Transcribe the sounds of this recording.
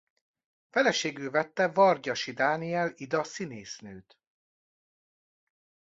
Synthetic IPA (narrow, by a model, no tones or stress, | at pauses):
fɛlɛʃeːɡylvɛt̪ːɛvɒrɟɒʃid̪aːniɛlid̪ɒsineːsnøːt̪